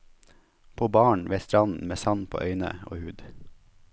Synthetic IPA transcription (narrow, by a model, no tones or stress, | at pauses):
pʰoːbɑːɳʋeːst̪ɾɑnn̩meːsɑnpʰo̰ːʔœʏnə̰o̰ːhʉːd̪